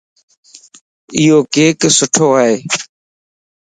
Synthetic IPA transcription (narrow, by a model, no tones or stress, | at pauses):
ɪjoːkeːksʊʈʰoːaɦeː